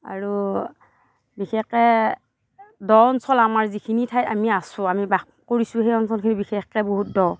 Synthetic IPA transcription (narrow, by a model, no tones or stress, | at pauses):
a̰ɹu | bixɛxɛ | dɔɔnsɔlamaɹzikʰinitʰajtamiasʊ̃amiba | koɹisʊ̃hejɔnsʰɔlkʰinibixɛxɛboɦut̚dɔw